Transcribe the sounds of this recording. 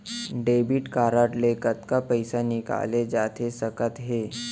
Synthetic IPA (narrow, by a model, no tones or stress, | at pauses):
ɖebiʈkaɾəʈlekət̪kapəjsanika̰led͡ʒat̪ʰesəkət̪ɦe